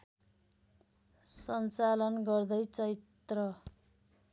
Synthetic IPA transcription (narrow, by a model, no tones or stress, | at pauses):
sʌnt͡salʌnɡʌrd̪ʌjt͡sʌɾit̪ | rʌ